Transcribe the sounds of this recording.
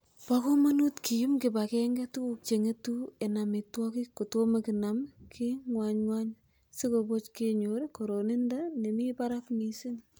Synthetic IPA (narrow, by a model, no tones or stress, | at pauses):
pakomonutkʰijumkɪbakɛŋɡetuk̚t͡ʃeŋetuenamitwɔkikotomekinamkʰiŋwaɲŋwaɲ | sikobot͡ʃkeɲoɾikoɾonendanemipaɾakmisin